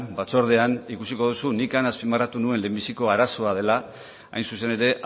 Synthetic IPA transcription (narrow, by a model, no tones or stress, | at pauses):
bat͡so̞ɾð̞e̞anikusiko̞ð̞usunikanaspimarat̪unue̞nle̞ːmbisiko̞aɾaso̞að̞e̞la | a̰jnsuse̞ne̞ɾe̞ʔ